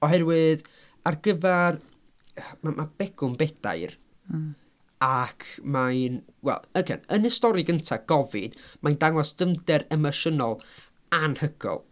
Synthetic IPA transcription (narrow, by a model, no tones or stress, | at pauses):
ɔɦɛrwɨð | arɡəvɛr | mamʔab̥ɛɡ̥ʊnbɛd̥a̰jr | akʰmajnwɛ̰lˠəɡɛ̰nənɪstɔɾɪɡəntʰaɡ̥ɔvɪ̰d̥majndaŋwɔsd̥əmdɛɾɛmɔʃənɔlˠ | anhəɡ̥ʰɔ̰lˠ